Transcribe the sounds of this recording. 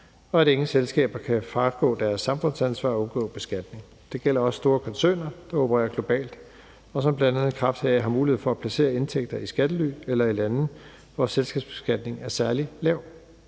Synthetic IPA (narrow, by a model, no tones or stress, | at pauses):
ɒ̽æɾ̥e̝ŋŋ̩selsɡ̥ɛ̰ːb̥ɐkʰæfɑɡ̥ɔ̰̽ːd̥æɐsːɑ̈mfɔ̽nsænsʋɑ̰̈ːɔ̽nɡ̥ɔ̰̽ːb̥e̝sɡ̥æd̥ne̝ŋ | d̥e̝ɡ̥el̰ɐɒ̽ssd̥o̝ːɐkʰɒ̽nsø̰ːnɐd̥ɑ̈o̝pʰəʁɛ̰ːɐɡ̥lo̝b̥ɛ̰ːld̥ | ɒ̽sɒ̽mb̥lænæðð̩ˠkʰʁɑ̈fd̥heɦhɑ̈muːliheð̰ˠfɒæpʰlæse̝̰ːɐe̝nt͡sʰeɡ̥̚d̥ɐisɡ̥æd̥əly̰ːelɐilænð̩ | ʋɒselsɡ̥ɛːb̥sb̥e̝sɡ̥æd̥ne̝ŋæɐsæɐlilɛʊ̰